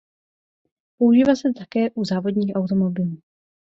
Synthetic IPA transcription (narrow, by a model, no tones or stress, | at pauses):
pouʒiːvasɛt̪akɛːʔuzaːvo̞dɲiːxʔawt̪o̞mo̞bɪluː